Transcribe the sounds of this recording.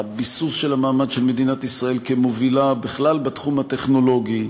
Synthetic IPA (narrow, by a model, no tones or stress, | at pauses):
abisusʃelamaːmadʃelme̞d̪inat̪isʁae̞lkemovilabeχlalbet̪χumhat̪e̞χno̞lo̞ɡi